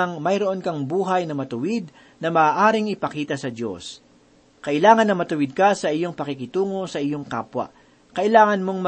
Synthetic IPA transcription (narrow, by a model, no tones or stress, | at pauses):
ŋmɐjɾoʔo̞nkɐŋbuːɦɐjnɐmɐt̪ʊwɪd̪̚ | nɐmɐːʔaːɾɪŋʔɪpɐkiːt̪ɐsɐd̪jo̞̰s | kɐʔɪlaːŋɐnːɐmɐt̪ʊwɪd̪̚kɐsɐʔɪjoŋpɐkɪkɪt̪uːŋo̞sɐʔɪjoŋka̰ːpwɐ̰ | kɐʔɪlaːŋɐnmo̞ŋmɐ